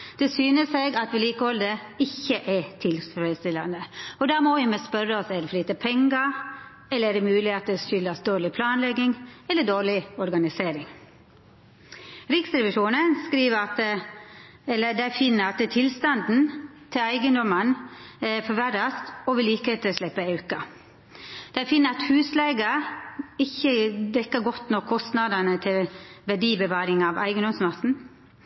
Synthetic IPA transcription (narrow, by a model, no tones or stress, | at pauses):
d̪̥ɛsyːnəseɡɑt̪ʋɪliːkəɔld̪ə | ɪçːəʔɛt̪ʰɪlfɾɛd̪st̪ɪlːɑnd̪əɔd̪ɑmɔʋɪmɛspœɾːəɔsɛd̪ɛfɔliːt̪əpʰɛŋɡɑ | ɛlːəɾæɖɛmʉːlɪhet̪əʃʏlːɑsd̪oːɭɪpʰlɑːnlɛɡːɪŋɛlːəɖoːɭɪɔɾɡɑnɪseːɾɪŋ | ɾɪksɾɛʋɪʂuːnənskɾiːʋəɾɑt̪ | ɛlːəd̪æɪfɪnːəɾɑt̪t̪ʰɪlst̪ɑnd̪n̩ | t̪ʰɪlæɪɡənd̪ɔmən | fɔʋæɾɑst̪ɔʋɪliːkhet̪ʰəlʂlɛpːəeʉːkɑ | d̪̥æɪfɪnːəɾɑt̪hʉːslɛɡə | ɪçːəd̪ɛkːəɡɔt̪nɔkʰːɔst̪nɑd̪ənət̪ʰɪlʋæɖiːbəʋɑːɾɪŋɑʋʔæ̰ɪɡənd̪ɔmsmɑsn̩